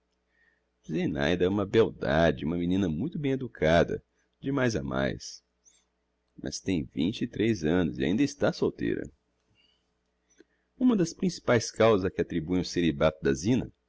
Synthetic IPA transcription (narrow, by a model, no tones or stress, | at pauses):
zena̰jd̪ɐɛũmɐbewd̪ad͡ʒɪũmɐminĩnɐmũj̃t̪ʊbẽj̃ed̪ukʰad̪ɐ̰ | d͡ʒɪmajza̰ma̰js | mʔɐ̰st̪ẽj̃vḭ̃nt͡ʃɪːt̪ɾejzɐ̃nʊzɪa̰ĩnd̪ɐɪst̪asowt̪ḛjɾɐ̰ | ũmɐd̪ɐspɾĩsi̥pajskawzzɐzɛkɪat̪ɾibuj̃ʊseɾibat̪ʊd̪ɐzĩnɐ̰